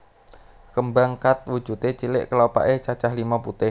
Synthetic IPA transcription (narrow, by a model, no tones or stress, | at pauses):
kəmbaŋkat̪̚wu̥ʒ̥ṳt̪et͡ʃilɪʔkəlopa̰ʔet͡ʃat͡ʃahlimaput̪ɪh